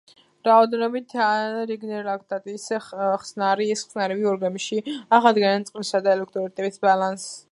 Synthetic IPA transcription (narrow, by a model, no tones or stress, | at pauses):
ɾaɔd̪ɛnɔbit̪ʰaɾiɡnɛɾlakʰt̪ʼat̪ʼisɛχsnaɾiɛsχsnaɾɛviɔɾɡamiʃiaʁad̪ɡɛnansʼqʼlisad̪aɛlɛkʰt̪ʼɾɔɾit̪ʼɛbisbalans